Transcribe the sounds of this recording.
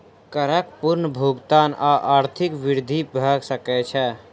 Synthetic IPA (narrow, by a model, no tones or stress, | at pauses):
kəɾəkpʊɾnbʱuːɡt̪aːnaːʔaːɾt̪ʰɪkʋɪɾd̪ʱibʱəɡsəkɛt͡ʃʰɛ